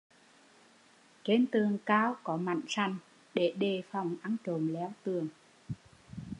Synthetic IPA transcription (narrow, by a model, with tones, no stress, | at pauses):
t͡ɕe˧nt̪ɨ˨˩əŋkaː˧wkɔ˨˦ma̰˧˨jŋ̟sa˨˩jŋ̟ | ɗe˧˩ɗe˨˩fa˨˩wŋ͡mʔa˧ŋt͡ɕo˨˦mlɛ˨˦wt̪ɨ˨˩əŋ